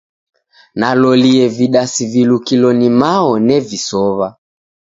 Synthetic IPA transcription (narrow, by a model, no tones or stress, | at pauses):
nalɔliɛviɗasivilukilɔnimaɔnɛvisɔβa